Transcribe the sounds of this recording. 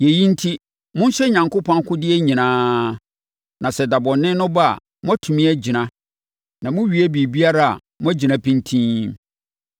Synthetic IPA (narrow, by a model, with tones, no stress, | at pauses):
je˨ji˦n̩˦tʰi˦ | mʊ̃˦n˦ɕɛ˦ɲã˨ŋkʊ˦pʰɔ̃˦kʰʊ̃˦dɪ˦ɛ˦ɲĩ˨nãː˦ | nʔã˨sɛ˨da˨bɔ˨nɪ̃˦nʊ̃˦ba˦a̰˨ | mʊ̃˦æ˦tʰũ˨mĩ˦æ˦d͡ʑi˨nã˦ | nã˨mʊ̃˦ɥi˨˦æ˦bi˨bi˦a˦ɾa˦a̰˨ | mʊ̃˦æ˦d͡ʑi˨nã˦pʰĩ˦n˦tʰĩː˦